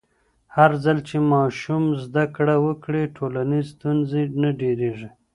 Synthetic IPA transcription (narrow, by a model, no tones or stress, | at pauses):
haɾzalt͡ʃemɑʃumzd̪akɽawəkɽeʈʰolanizst̪unzenaɖeɾeʐi